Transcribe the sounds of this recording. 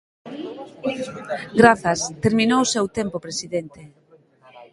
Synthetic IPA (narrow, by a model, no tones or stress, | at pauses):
ɡɾaθɐst̪eɾminowʊsewt̪empopɾesiðent̪e